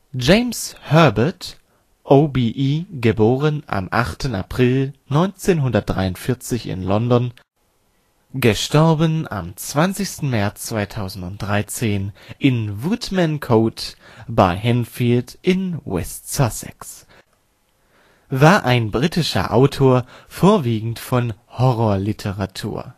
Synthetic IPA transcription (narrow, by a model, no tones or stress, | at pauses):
d͡ʒeɪmshœɐbɐt | ʔobiʔiːɡəboːʁənʔa̰mʔa̰χtʰəna̰pʁ̥ɪlnɔʏnt͡seːnɦʊndɐt̚d̥ʁa̰ɪʊntfɪɐt͡sɪçɪ̰nlɔndɔn | ɡ̥əʃtɔɐbəna̰mt͡sv̥ant͡sɪçstn̩mɛɐt͡st͡sv̥aɪtʰaʊzn̩tʊnt̚d̥ʁaɪt͡seːnʔɪnvʊtmɛnkʰoːtb̥aɪhɛnfiːltʔɪnwɛ̰stsasɛ̰ks | vaːɐʔaɪnbʁiːtɪʃɐ̰ʔa̰ʊtʰoːɐfoːɐviːɡŋ̩tfɔnhɔʁɔːɐlitʰəʁatʰṵːɐ